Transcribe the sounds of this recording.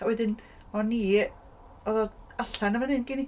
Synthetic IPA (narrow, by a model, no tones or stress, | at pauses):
wɛdɪn | mɔnːi | ɔðɛaɬanəmanɨnɡɪnɪ